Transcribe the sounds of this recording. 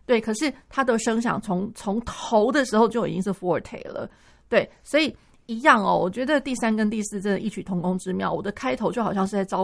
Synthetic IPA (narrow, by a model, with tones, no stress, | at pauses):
t̪we˥˩ɪkʰɤ˨˩ʂɻ̩˥˩t̪ʰa˥d̪ə˨ʂɤ˥ŋɕ̬jɑ̰˨˩ŋt͡sʰo˧˥ŋt͡sʰʊ˧˥ŋt̪ʰo˧˥ʊd̪ə˨ʂɻ̩˧˥xo˥˧ʊt͡ɕjo˥˩ʊi˨˩t͡ɕi˥ŋʂɻ̩˥˩fu˥ə˞˨˥t̪ʰḛ˥˨˩ɪlə̰˩˦ | t̪we˥˩ɪswɔ˧˥i˨˩ | i˧˥jɑ˥˩ŋɔ̰˩wɔ˨˩t͡ɕɥɛ˧˥d̪ə˧t̪i˥˩sa˥nkə˥nt̪i˥˧sɹ̩˥˩ʈ͡ʂə˥˩nə˨˩ʔi˥˩t͡ɕʰy˨˩t̪ʰʊ˧˥ŋkʊ˥ŋʈ͡ʂɻ̩˥mjɑ˥˩ʊwɔ˨˩d̪ə˦kʰa˥ɪt̪ʰo˧˥t͡ɕo˥˩xɑ˨˩ɕjɑ˥˧ŋʂɻ̩˥˧t͡sa˥˩ɪɑ˥ʊ